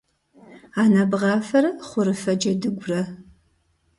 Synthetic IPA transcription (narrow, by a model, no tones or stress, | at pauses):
aːnabʁɑːfɐɾɐχʷʊɾɨfɐd͡ʒɐdɨɡʷʊrɐ